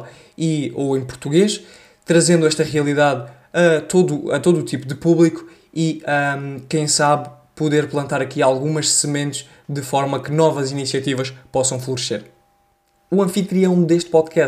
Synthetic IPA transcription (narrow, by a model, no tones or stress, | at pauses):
ioẽj̃puɾt̪uɣeʃ | t̪ɾɐzẽnd̪uɛʃt̪ɐʁiɐlˠiðað | ɐt̪oðuɐt̪oðuːt̪ipuðɨpuβlˠiku̥ | iakɐ̃j̃saβ | puðeɾplˠɐ̃nt̪aɾɐkialˠɣumɐʃsɨmẽnt̪ʃ | d̪ɨfɔɾmɐkɨnɔvɐzinisiɐt̪ivɐʃpɔsɐ̃w̃flˠuɾseɾ | uɐ̃fit̪ɾiɐ̃w̃d̪eʃt̪̚pɔðkɛ